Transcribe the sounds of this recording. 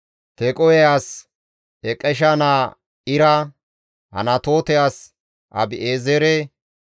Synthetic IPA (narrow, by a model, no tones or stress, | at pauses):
t̪ekʼɔjɛjaːs | ɛkʼːɛʃ̬anaː | ɪɾɐ | hɐ̰nɐt̪o̞ːt̪ɛjaːs | ʔɐ̰bɪʔeːzɛɾe